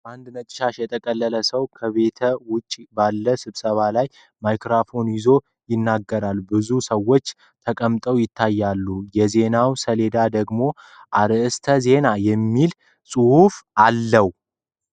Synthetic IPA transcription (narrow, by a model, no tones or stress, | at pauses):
b̥ʔand̪nət͡ʃʼɪ̥ʃaʃjɛt̪ʼʰəkʼəlːələsəwkʰəβe̞t̪ʰəwʊt͡ʃʼbalːəsɨβsəβalaj | majkɾafo̞njɪzo̞ | jɪnːaɡːəɾalbɨzusəwːo̞t͡ʃː | t̪ʰəkʼəmt̪ʼəwjɪt̪ʰːajːalːujɛze̞nawsəle̞d̪ad̪əɡmo̞ | ʔaɾɨʔɨst̪ʰəze̞najɛmːil | sʼɨhufalːəw